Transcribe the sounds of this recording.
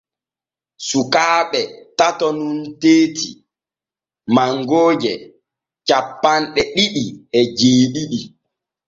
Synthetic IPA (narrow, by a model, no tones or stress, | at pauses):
sukaːɓɛtatɔnunteːtḭ | maŋɡoːd͡ʒɛ | t͡ʃapːanɗɛɗiɗiɛd͡ʒeːɗiɗi